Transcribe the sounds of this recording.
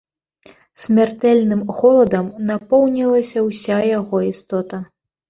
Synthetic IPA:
sʲmʲart̪ɛlʲnɨmɣɔlˠɐd̪ɐmnapɔwnʲilˠɐsʲɐwsʲajaɣɔist̪ɔt̪ɐ

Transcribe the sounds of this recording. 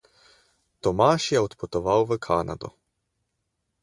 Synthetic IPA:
t̪ɔmaːʃjɛɔt̪pɔt̪ɔvawvəkʰaːnʔa̰d̪ɔ̰

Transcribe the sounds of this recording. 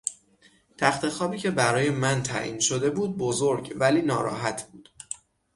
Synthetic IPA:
t̪ʰæxt̪ʰe̞xɒːbiːcʰe̞bæɾɒːje̞mænt̪ʰæ̰ʔḭːnʃo̞d̪e̞buːd̪̚bozo̞ɾɟvæliːnɒ̰ːɾɒ̰ːɦæt̪ʰb̥uːd̪̥

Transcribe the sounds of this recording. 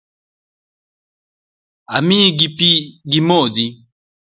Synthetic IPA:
amĩɡipiɡimɔdi

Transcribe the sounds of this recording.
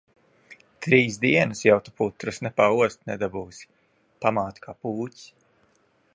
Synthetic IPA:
t̪ɾiːzd̪iɛnɨsjawt̪u̥put̪ɾɨsnɛpaːuɔst̪nɛd̪abuːsʲi̥ | pamaːt̪kʰaːpuːcʲs

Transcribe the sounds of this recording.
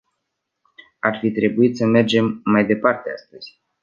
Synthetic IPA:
arfit̪ɾe̞buit̪səme̞rd͡ʒe̞mːajd̪e̞part̪ea̰st̪əz̥ʲ

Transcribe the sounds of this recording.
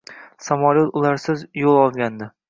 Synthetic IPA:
samɒlot̪ʊlaɾsɪzjolˠɒlˠɡʲand̪ɪ

